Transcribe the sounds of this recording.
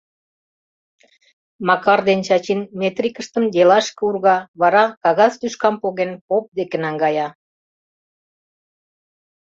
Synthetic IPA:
mɑkɑrd̪ent͡ɕɑt͡ɕinmet̪rʲikəʃt̪əmd̪elɑʃkəurɣɑβɑɾɑkɑɣɑzt̪yʃkɑmpoɣenpop̚d̪ekenɑŋɡɑjɑ

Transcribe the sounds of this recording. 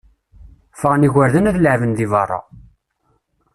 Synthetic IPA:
fəʁniʝəɾðənæðləʕvənðivɑrˤːɑ̰

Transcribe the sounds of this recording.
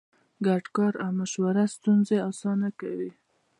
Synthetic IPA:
ɡaɖkɑɾawmaʃwaɾast̪unzeɑsɑnakawi

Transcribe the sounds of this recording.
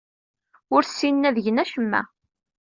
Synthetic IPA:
ʊɾsːinːæðəʝənæʃəmːæ̰

